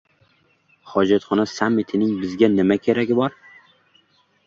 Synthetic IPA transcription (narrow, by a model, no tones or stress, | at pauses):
χɒd͡ʒat̪χɒnasamːɪt̪ʰɪnɪŋbɪzɡʲanɪmakʲʰeɾaɡʲɪbɒɾ